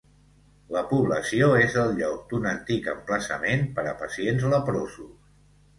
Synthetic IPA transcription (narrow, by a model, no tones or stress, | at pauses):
ləpuβləsioezəlˠʎɔk̚d̪unənt̪ikəmpləsə̰menpəɾəpəsienzləpɾozus